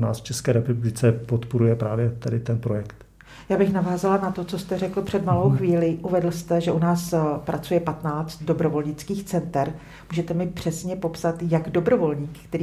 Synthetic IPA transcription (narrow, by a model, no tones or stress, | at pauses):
na̰ːsft͡ʃɛskɛːɾɛpublɪt͡sɛpot̪poɾujɛpɾaːvjɛt̪adɪt̪ɛnpɾojɛkt̪ | jaːbɪxnavaːzalanat̪o̞t͡so̞st̪ɛrɛkl̩pr̝̥ɛdmalo̞wxviːlɪʔuvɛdl̩st̪ɛʒɛʔunaːspɾʔat͡sujɛpat̪naːt͡st̪̚do̞bɾo̞vo̞lɲɪt͡skiːxt͡sɛnt̪ɛɾ | muːʒɛt̪ɛmɪpr̝̥ɛsɲɛpo̞psat̪jaɡdo̞bɾo̞vo̞lɲiːkkt̪ɛɾiː